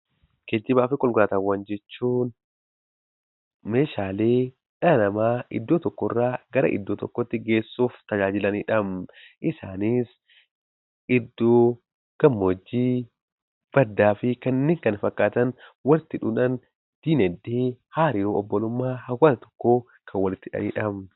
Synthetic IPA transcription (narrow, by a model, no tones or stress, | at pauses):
keːd̪ːɪbaːfɪkʼɔlɡʊɾaːt̪ɐwːɐnd͡ʒɛt͡ʃːuːn | meːʃaːleː | ᶑɐnɐmaːʔɪ̰d̪ːoːt̪ɔkːɔrːaːɡɐɾɐ̰ʔɪ̰d̪ːoːt̪ɔkːɔt̪ːɪɡe̞ːsːuːft̪ɐd͡ʒaːd͡ʒɪlɐniːᶑɐmʔɪsaːnis | ɪd̪ːoː | ɡ̥ɐmːod͡ʒːiː | b̥ɐd̪ːaːfɪkɐnːeːŋkɐnfɐkːaːt̪ɐnwɐlɪt̪ːɪᶑuːnɐn | d̪̥iːnɛd̪iːhaːɾɪjoːɔbːɔlʊmːaːhɐwɐt̪ɐt̪ɔ̥kːo̞ː | kʰɐnwɐlɪt̪ːɪᶑɐ̰nḭːᶑɐm